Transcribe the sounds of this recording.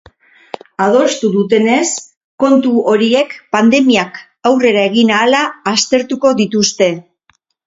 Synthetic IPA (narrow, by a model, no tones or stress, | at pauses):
að̞o̞st̪uðut̪e̞ne̞s | ko̞nt̪uo̞ɾie̞kpand̪e̞miak | awre̞ɾae̞ɣ̞inaːlaːst̪e̞ɾt̪uko̞ðit̪ust̪e̞